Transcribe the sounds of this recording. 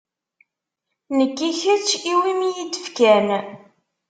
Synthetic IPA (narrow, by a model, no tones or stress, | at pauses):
nəkːiçəɾt͡ʃiwimijidə̥fkæn